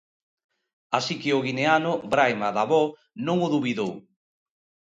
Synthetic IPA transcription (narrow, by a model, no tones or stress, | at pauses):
asikɪʊɣineanʊbɾajmaðaβɔ | nõŋʊðuβiðow